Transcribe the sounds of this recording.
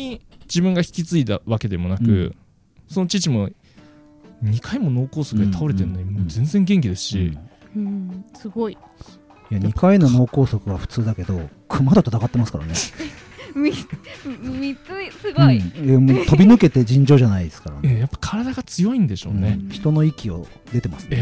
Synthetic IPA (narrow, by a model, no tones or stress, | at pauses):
id͡ʑibɯ̟̃ŋɡaçi̥kʲit͡sɨit̪a̰βake̞d̪e̞mo̞nakɯ̟̰ | so̞no̞t͡ɕit͡ɕimo̞ | ɲɲ̟ikaimo̞no̞ːko̞ːsokɯt̪aoɾe̞t̪enoɲimoːd͡zẽ̞nd͡zeŋɡe̞ŋk̬ʲid̪e̞sɨ̥ɕḭ | ɯ̃sɨɡo̞i | jaɲʲipkaino̞no̞ːko̞ːsokɯ̟βaɸɯ̟̥t͡sɨːd̪ake̞d̪o̞kʰɯ̟mad̪ot̪ot̪aɡat̪ːemasɨ̥kaɾa̰ne | mi | mʲiɨisɨɡ̃emot̪o̞bʲinɯ̟ke̞t̪e̞d͡ʑĩɲ̟d͡ʑo̞ːʑanaid̪esɨ̥kaɾa̰nejapːḁkʰaɾad̪aɡat͡sɨjo̞ĩnd̪e̞ɕõ̞̰ːneçi̥t̪o̞no̞ikʲio̞̰ | d̪e̞t̪e̞masɨ̥ne